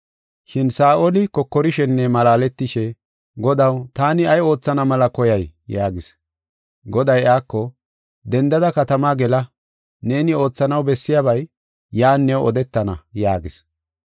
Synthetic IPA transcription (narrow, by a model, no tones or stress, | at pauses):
ʃɪnsaːʔolɪkɔkːɔɾɪʃɛnːɛmɐlaːlɛt̪ːɪʃɛ | ɡɔd̪ɐwt̪aːnɪɐjo̞ːt͡sːɐnɐmɐlɐkɔjɐjjaːɡɪs | ɡɔd̪ɐjaːkːɔ | d̪ɛnd̪ɐd̪ɐkɐt̪ɐmaːɡɛlɐ | ne̞ːnɪo̞ːt͡sːɐnɐwbɛsːɪjabɐjː | aːnːɛwʔɔ̰d̪ɛt̪ːɐnɐ̰jaːɡɪs